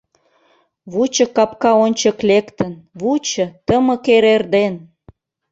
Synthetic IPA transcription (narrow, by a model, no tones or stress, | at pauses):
βut͡ɕə̆kɑpkɑonʲt͡ɕə̆klekt̪ənβut͡ɕə̆t̪əmə̆keɾerd̪en